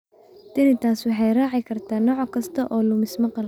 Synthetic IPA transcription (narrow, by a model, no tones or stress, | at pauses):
d̪̥ɪnɪt̪ʰaːswɑħɑjraːʕɪkʰɐrt̪ʰaːnɔːʕkʰɐst̪ʰɐʔɔːlʊmɪsmɐqɑl